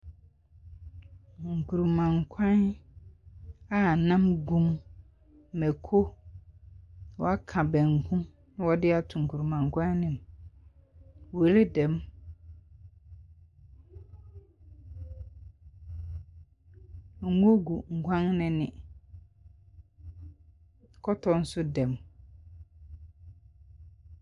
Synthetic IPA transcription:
ŋ̩˨kʰu˨ɾu˨mã˨ŋ̩˨kʷʰã˦n | a˦˨nã˦mɡũ˦m˨ | mɛ˨kʰo˦ | wɔ˦a˦kʰã˨bɛ̃˨ŋ̩˨kʰũ˦m | ñ˦wɔ˦dɪ˦a˨tʰʊ˨ŋ̩˨kʰu˨ɾu˨mã˨ŋ˨kʰʷã˦n˦nɪ̃˨m | we˨˦le˦dɛ˨m˨ | ŋ̩˦ɡo˦ɡu˨ŋ̩˨ɡʷã˦ŋnɪ̃˨nɪ̃˨ | kʰɔ˦tʰɔ˦n̩˦sʊ˦dɛ̃˨m

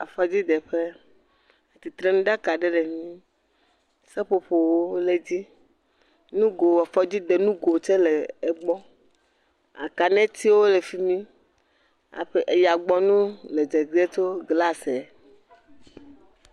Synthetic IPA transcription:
a˨fɔ˦d͡ʑi˦d̪ɛ˨ɸe˦ | e˨t̪i˨t̪ɾɛ˦nũ˦ɖa˦ka˨ɖe˦ɖe˨mĩ˦ | sɛ˦ɸo˦ɸo˨wo˦le˦d͡ʑi˦ | nũ˦ɡo˨wa˨fɔ˦d͡ʑi˦d̪e˨nũ˦ɡo˨t͡ʃe˦leː˨ɡ͡bɔ˦ | a̰˨ka˨nɛ̃˦t̪i˦wo˦le˨fi˦mĩ˦ | a̰˨ɸe˦ʔe˨ja˨ɡ͡bɔ˦nũ˦le˨d͡ʒe˨ɡi˦e˦t͡ʃo˦ɡla˦sɛ˨

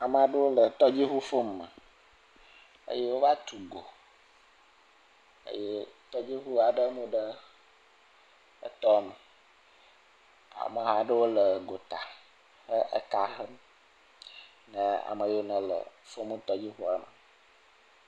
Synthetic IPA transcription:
a˨mə˨a˨ɖə˦wo˦lə˨t̪ɔ˦d͡ʑi˦ɦu˦fo˦mːə˨ | ə̰˦je˦wo˦va˦t̪u˨ɡo˨ | ə̰˦je˦t̪ɔ˦d͡ʑi˦ɦu˦a˨ɖə˦mũ˦ɖə˦ | ə̰˨t̪ɔ˦˨mə˨ | a̰˨mə˨ɦa˦ɖə˦wo˦lə˨ɡo˨t̪a˨ | xə˦ʔə̰˦ka˨ɦə˦m | nə̃˦a̰˨mə˨jo˦nə̃˨lə̰˨fo˦mũ˦t̪ɔ˦d͡ʑi˦xu˦a˦mə˨

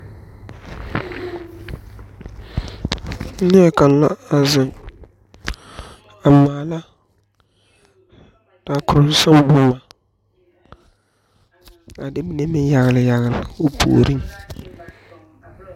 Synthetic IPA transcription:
nɪ˦ɛ˨ka˨n˦la̰˦a˨zɪ˨ŋ | a˨maː˨la˦ | d̥a˨kʊ˨ɾʊ˨n˦sa˦m˦bʊ˦ma˨ | a˨dɪ˦mi˦ne˦mɪ˦ja˨ɣɪ˨lɪ˨ja˨ɣɪ˨lɪ˨o˦pʰo̰ː˨ɾi˦ŋ

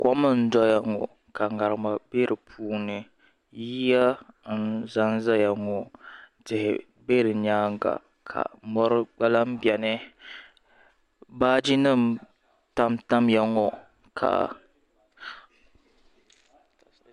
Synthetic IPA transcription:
kɔ˦mɨ˦n̩˦dɔ˦ja˨ŋɔ˨ | ka˨ŋa˨ɾɨ˨ma˨be˦ɾɨ˨pʰuː˦nɨ˨ | ji˦ja˦n̩˦za˦n˦za˦ja˨ŋɔ˨tɪ˨hɪ̰˨ | be˦ɾɨ˨ɲaː˦ŋ˦ɡa̰˨ | kʰa̰˨mɔ˦ɾɨ˦ɡ͡ba˦la˦m̩˦bjɛ˨nɨ˦ | baː˦d͡ʒi˦nɨ˦˨m | ta˦mta˦m˦ja˨ŋɔ˨ | kʰa̰˨

